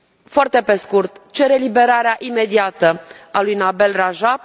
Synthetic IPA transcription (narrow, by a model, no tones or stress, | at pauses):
foart̪e̞pe̞skurt̪t͡ʃe̞ɾe̞libe̞ɾaɾeaʔime̞d̪iat̪əalujnabe̞lraʒab̚